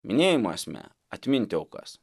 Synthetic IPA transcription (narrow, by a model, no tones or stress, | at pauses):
mʲɪnʲeːjɪmoɐsʲmʲɛ̰ | ɐt̪ʲmʲɪnʲt̪ʲɛʊkɐ̰s